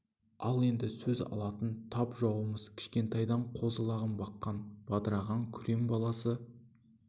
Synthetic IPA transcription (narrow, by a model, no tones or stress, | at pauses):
ɑlˠe̞nd̪ɪsɵzɑ̰lˠɑt̪ənt̪ʰɑpʒɑwəməz̥kʲʰɪ̥ʃkʲe̞nt̪ɑjd̪ɑɴqʰo̞zəlˠɑʁəmbɑqːɑnb̥ɑd̪əɾɑʁɑŋkʲʰʏɾe̞mbɑlˠɑsə